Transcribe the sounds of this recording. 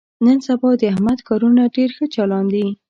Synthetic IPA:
nənsabɑd̪əahmad̪kɑɾunaɖeɾxət͡ʃɑlɑnd̪i

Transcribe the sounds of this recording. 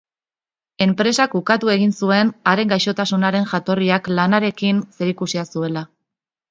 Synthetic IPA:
e̞mpɾe̞sakukat̪ue̞ɣinsue̞naɾe̞ŋɡajʃo̞t̪asunaɾe̞ŋʝat̪o̞riaklanaɾe̞kinse̞ɾikusiasue̞la

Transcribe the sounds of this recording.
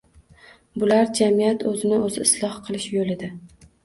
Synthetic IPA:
bʊlaɾd͡ʒamijat̪ʰɵzɪnɪɵzɪːslˠɒhqʰɨlˠɪʃjolɪd̪ɪ

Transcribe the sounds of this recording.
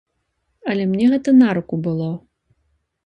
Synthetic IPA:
ɐlʲɛmnʲɛɣɛt̪ɐnaɾukubɨlˠɔ

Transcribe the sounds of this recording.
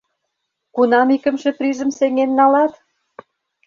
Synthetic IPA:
kunɑmikə̆mʃĕprɾiʒə̆mseŋenːɑlɑt̪

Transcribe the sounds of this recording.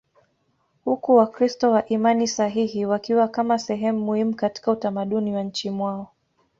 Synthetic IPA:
hukuwakɾistɔwaʔimanisaɦihiwakiwakamasɛɦɛmumuhimukati̥kautamaɗuniwaɲ̩t͡ʃimwaɔ

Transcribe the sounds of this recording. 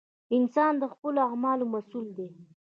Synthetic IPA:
ɪnsɑnd̪əxpəloamɑlomasuld̪e

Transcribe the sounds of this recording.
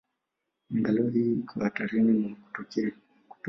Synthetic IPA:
ŋɡalɔhikʰɔhataɾinimaku̥k | ku̥t

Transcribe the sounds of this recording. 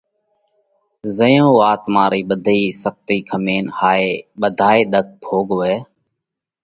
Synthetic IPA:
zəjõːʋaːt̪mãːɾiːɓəd̪ʱiːsək̚t̪iːkʰəmeːnhaːeːɓəd̪ʱaːeːɗ̪ək̚bʱoːɠoːʋeː

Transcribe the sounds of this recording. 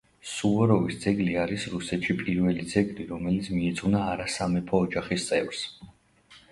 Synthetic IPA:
suvɔɾɔvisd̪zɛɡliaɾisɾusɛt̪ʃipʼiɾvɛlid̪zɛɡliɾɔmɛlit̪sʰmiːd̪zunaːɾasamɛpʰɔːd͡ʒaχist̪sʼɛvɾs

